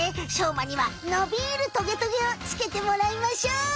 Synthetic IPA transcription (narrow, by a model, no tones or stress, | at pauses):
eɕoːmaɲ̟iβanobʲiːɾɯ̟t̪o̞ɡe̞t̪oɡeot͡sɨ̥ke̞t̪e̞mo̞ɾaimaɕoː